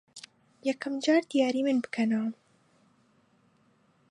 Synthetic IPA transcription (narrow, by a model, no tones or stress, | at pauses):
jɛkʰɐmd͡ʒɑːɾd̪̥ijaːɾiːmɨnbɨ̥kʰɐnaː